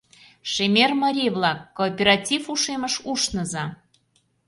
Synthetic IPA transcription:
ʃemʲermɑɾʲijβlɑkːoːpʲeɾɑtʲifuʃeməʃuʃnə̆zɑ

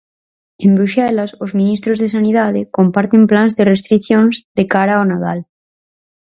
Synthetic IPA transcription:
embɾuʃɛlasozmĩnist̪ɾozðesanið̞að̞ekompaɾt̪emplanzðerest̪ɾiθjõnzd̪ekaɾaonað̞a̰l

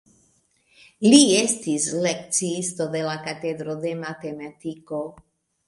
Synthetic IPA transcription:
liest̪islek̚t͡siist̪od̪e̞lakat̪ed̪ɾod̪e̞mat̪emat̪iko

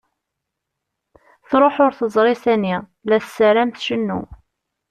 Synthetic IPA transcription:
θɾˤoħʊɾθəzˤɾˤɪsæni | læθsːəɾæmθʃənːṵ

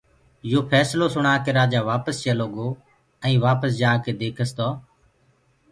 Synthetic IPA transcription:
joːpʰɛːsloːsʊɳaːkeɾaːd͡ʒaːʋaːpəst͡ʃeloːɡoː | ɛ̃ːʋaːpəsd͡ʒaːkeːd̪eːkʰəst̪oː

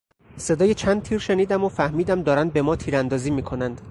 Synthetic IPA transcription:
se̞d̪ɒːjet͡ʃʰænd̪̚t̪ʰiːɾʃe̞niːd̪æmofæhmiːd̪æmd̪ɒːɾænd̪̚be̞mɒːt̪ʰiːɾænd̪ɒːziːmiːkʰo̞nænd̪̥

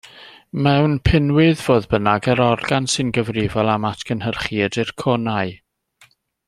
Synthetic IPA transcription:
mɛwnpʰɪnwɨðvoːðbənaɡəɾɔrɡansɨnɡəvrɪvɔlˠamatʰkʰənhərχiədɪrkʰɔnaɨ

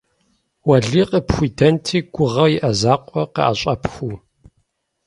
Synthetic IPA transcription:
wɐɮiːqəpxʷuːdʰɐntʰiːɡ̥ʷʊʁɐwjiʔɐzaːqʷʼɔqə̰ʔa̰ɕʼɐpʰxʷuː

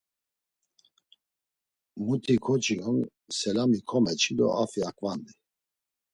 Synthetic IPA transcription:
mut̪ʰikʰɔt͡ʃʼiɔn | sɛlamikʰɔmɛt͡ʃʰid̪ɔ̰afiakʼvand̪i

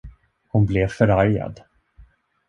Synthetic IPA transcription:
hʊnblevfœɾaɾja̰d̪

